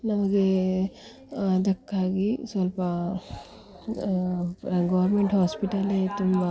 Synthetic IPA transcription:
nɐmɐɡe | d̪ɐkːaɡisolpa | ɡɔwɐɾmeɳʈhospiʈalet̪uma

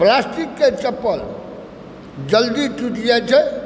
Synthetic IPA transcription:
plasʈikːet͡ʃəpːəl | d͡ʒəld̪iʈuʈijat͡ʃʰɛ

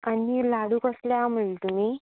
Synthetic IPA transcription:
añilaɽuːkəsljam̤əɭlt̪um̤iː

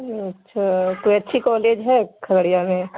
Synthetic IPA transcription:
ɐtːʃʰakoiɐtːʃʰikɔːleːd͡ʒɦɛkʰɐləɽijamẽ

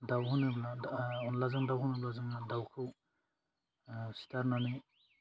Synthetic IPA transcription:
dawɦunɯblaunlazaŋdawɦunɯblazaŋadawkʰɯw | si̥taɾnani

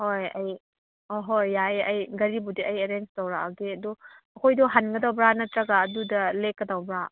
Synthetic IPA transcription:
hojɐ̰j | oɦojːajɐjɡɐɾibudiɐjeɾenstɐwɾaaɡeɐdɔ | ɐkʰojdɔɦanɡɐdawbɾanɐtɾɐɡaːdudɐlekːɐdawbɾa

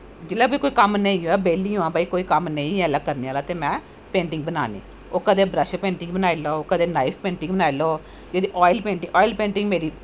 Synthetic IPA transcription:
d͡ʒɪlabɐikoːikɐmnɐ̃ĩjũabelːĩjũãːbɐikoːikɐmneĩlakɐɾnialaːt̪emɛ̃ː | peːɳʈĩŋɡbɐnaːnḭː | okːɐd̪eːbɾɐʃpeːɳʈĩŋɡbɐnaːjeloːokːɐd̪eːnɐipʰpeːɳʈĩŋɡbɐnaːjloː | d͡ʒed̪iʔɔːjlpeːɳʈiŋɔːjlpeːɳʈĩŋɡmeːɾi

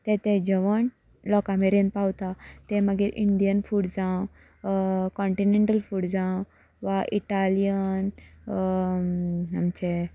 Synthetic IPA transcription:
t̪ẽt̪ẽd͡ʑeʋəɳ | lɔkameɾen̚pawt̪at̪ẽməɡiɾʔiɳɖijənfuɽd͡zãw | kɔ̃ɳʈineɳʈəlfuɽd͡zãw | ʋaʔiʈalijən | amt͡ɕe

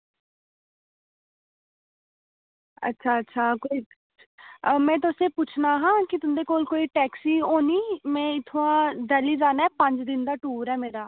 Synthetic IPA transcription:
ə̰tːʃʰaːətːʃʰaːkoiː | mɛ̃ːt̪̬ʊsẽːput͡ʃʰnaːɦãːkɪt̪ʊnd̪eːkoːlkoːiːʈɛːksiːoːniːmɛ̃ːɪt̪ʰːoãːd̪ɛːliːzaːnɛːpəɲd͡ʒd̪ɪnd̪aːʈuːɾɛːmeːɾaː

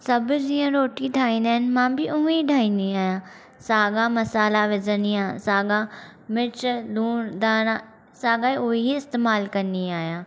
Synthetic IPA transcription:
sɐbd͡ʑiːə̃ɾoːʈiɖʱaːĩːnd̪aːɦɪnɪ̆mãːbiʊɦiɖʱaːĩːnd̪iaːɦjãː | saːɡãmɐsaːlaʋɪd͡ʒəniãsaːɡã | mɪt͡ʃluːnd̪aːñã | saːɡaːiʊɦiiɪst̪eːmaːlkɐnd̪iaːɦijãː

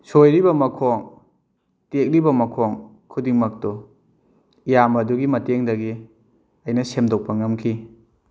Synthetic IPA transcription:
sojɾibɐmɐkʰoŋ | tek̚ɾibɐmɐkʰoŋ | kʰudiŋmɐk̚tɔ | ijamɐduɡimɐteŋdɐɡi | ɐjnɐsemdok̚pɐŋɐmkʰi

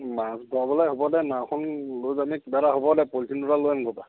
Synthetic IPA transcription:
masdʱɔabɔlajɦobɔdɛnaxʰunlojzamikibaɾaɦobɔdɛpoltʰinduɾalojanɡʱɔpa

